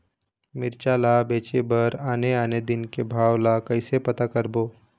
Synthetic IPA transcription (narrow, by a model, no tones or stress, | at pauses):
mɪɾt͡ʃalabeːt͡ʃebəɾaːneaːned̪ɪnkebʱaːwlakəɪsepət̪akəɾboː